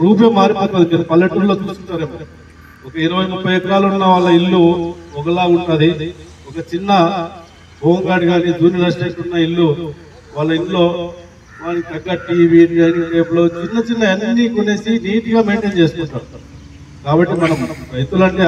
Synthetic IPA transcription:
ɾuːp̬jɐmːaːɾipoːt̪ɐd̪imiːnɐpɐlːeʈːulːo̞ːt͡ʃuːskunt̪aːɾeːmɐ | ɔkɐiɾɐʋɐjmupʰːɐjɐt̪ikaːlunːɐʋaːɭːɐilːuɔɡɐlaːuɳʈud̪i | ɔkɐt͡ʃinːɐ | boːŋɡaːɽiɡaːnid͡ʒuːnɐlɐsʈeːʈunːɐilːu | ʋaːɭːɐillo̞ː | ʋaːnikt̪ɐɡːɐːʈiːʋinɡaːniʈeːplo̞ːt͡ʃinːɐt͡ʃinːɐenːiːkune̞ːsiniːt̪iɡaːme̞ːɳʈeːɲt͡ʃe̞ːsuk̪uɳʈaːmu | kaːbɐʈːimɐnɐmɐjit̪ulɐɳʈeː

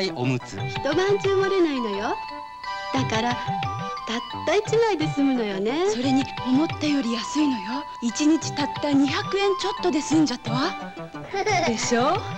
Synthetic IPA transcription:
iʔo̰mɯ̟t͡sɨ̰çi̥t̪o̞bãɲt͡ɕimoɾe̞naino̞jo̞ | d̪̥akaɾat̪at̪ːait͡ɕimaid̪e̞sɨmɯ̟no̞jone̞so̞ɾe̞ɲ̟io̞mo̞t̪ːajo̞ɾʲijasɨino̞jo̞ | it͡ɕiɲ̟it͡ɕi̥t̪at̪ːaɲ̟içakɯ̟ẽ̞ɲt͡ɕo̞t̪ːo̞d̪e̞sɨ̃ɲ̟d͡ʑat̪ːaβa | d̪e̞ɕo̞ː

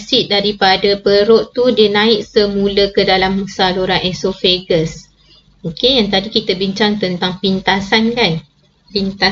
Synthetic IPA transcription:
siʔ̚daɾipadapəɾoʔt̪udiənãɪʔ̚səmũləkədalaməsaluɾanʔɛsofeɡəs | okejaŋt̪adikit̪abiɲt͡ʃaŋt̪ənt̪aŋpint̪asankan | pint̪a

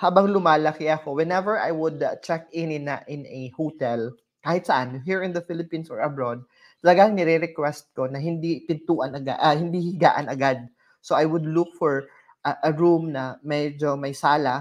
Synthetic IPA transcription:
haːbɐŋlʊmaːlɐkɪɐko̞wɛnɛvɛɹʔa̰jwʊd̪t͡ʃɛk̚ɛnɪnɐ̰ʔɪ̃nɐhot̪ɛl | kaːhɪt̪sɐʔanɦiːɹɪ̃nd̪ɐfɪlɪpĩnsɔɹɐbɹod̪̚ | t̪ɐlɐɡaŋnɛɾɛɾɛkwɛst̪̚ko̞nɐɦɪnd̪ip̪ɪnt̪uːʔɐnɐɡa̰ʔɐhɪnd̪ihiɡa̰ːʔɐnɐɡad̪̚ | soʔajwʊd̪lʊk̚fɔɹ | ʔɐʔɐɹumnɐmɛd͡ʒo̞mɐjsaːlɐ

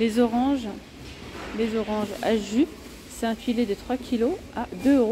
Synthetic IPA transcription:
lezɔʁɑ̃ʒ | lezɔʁɑ̃ʒaʒy | sɛt̪ɛ̃filed̪ət̪χwakʲʰiload̪øøʁo

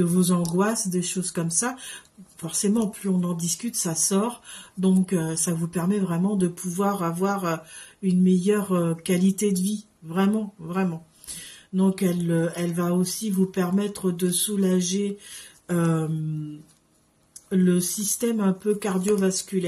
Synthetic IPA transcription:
əvozɑ̃ɡwasd̪eʃozkɔmsafɔʁsemɑ̃plyɔ̃nɑ̃d̪iskʲyt̪sasɔʁd̪ɔ̃køsavupɛʁmɛvʁɛmɑ̃d̪əpʰuvwaʁavwaʁøynmɛjœʁøkalit̪ed̪əvi | vʁɛmɑ̃vʁɛmɑ̃ | d̪ɔ̃kɛløɛlvaosivupɛʁmɛt̪χəd̪əsulaʒe | øm | ləsist̪ɛmɛ̃pøkaʁd̪jovaskʲylɛ

